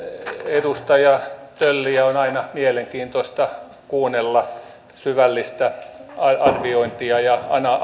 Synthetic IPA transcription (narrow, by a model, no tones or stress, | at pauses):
edust̪ɑjɑt̪ølːiæonɑinɑmieleŋkiːnt̪oist̪ɑ | kuːnelːɑ | syʋælːist̪æɑɑrʋioint̪iɑjɑɑnɑ